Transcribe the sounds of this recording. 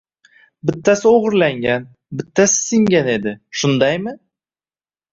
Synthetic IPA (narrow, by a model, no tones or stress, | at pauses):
bɪt̪ʰːasɪoʁɨɾlaŋɡʲan | bɪt̪ʰːasɪ̥sɪŋɡʲane̞d̪ɪʃʊnd̪ajmɪ